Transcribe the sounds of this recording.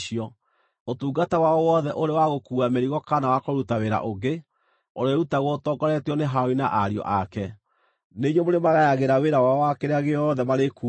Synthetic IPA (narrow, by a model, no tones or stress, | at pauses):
iɔ | otuːɡatawaɔwɔðɛʔoɾewaɣokuameɾiɣɔkanawakoɾutaweɾa̰ʔoɡe | oɾeɾutaɣotɔɡɔɾɛtiɔneɦaɔina̰ʔaɾiɔ̰ʔakɛ | neɲomoɾemaɣajaɣeɾaweɾawaɔwakeɾeaɣeɔðɛmaɾeku